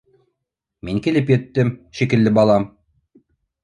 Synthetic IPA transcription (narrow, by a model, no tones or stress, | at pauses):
miŋkilɘpjɘ̆t̪ːɘmʃikɘ̆lːɘbɑlˠɑm